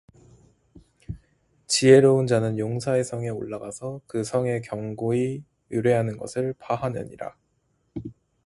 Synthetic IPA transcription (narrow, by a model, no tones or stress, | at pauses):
t͡ɕie̞ɾound͡ʑanɯnjoŋsʰae̞sʰʌŋe̞oɭːaɡasʰʌkɯsʰʌŋe̞kjʌŋɡoi | juɾe̞ɦanɯnɡʌ̰sʰɯɭpʰaɦanḛɲḭɾa̰